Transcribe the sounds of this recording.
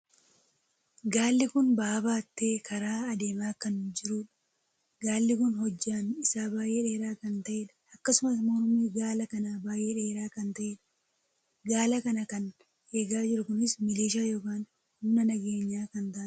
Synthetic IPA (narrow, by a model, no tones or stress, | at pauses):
ɡaːlːɪkʊnbaːbaːt̪ːe̞ːkʰɐɾaːɐd̪e̞ːmaːkɐnd͡ʒɪɾuːᶑɐ | ɡaːlːɪkʊnɦɔd͡ʒːaːnɪsaːbaːjʔeːᶑe̞ːɾaːkɐnt̪ɐʔe̞ːᶑɐ̥ɐkːɐsʊmɐsmoːɾʊmeːɡaːlɐkɐnaːbaːjʔeːᶑeːɾaːkɐnt̪ɐʔeːᶑɐ̥ | ɡaːlɐkɐnɐkɐn | heɡaːd͡ʒɪɾʊkʊnɪsmɪliːʃaːjoːkaːn | hʊmnɐnɐɡeːɲːaːkɐnt̪aː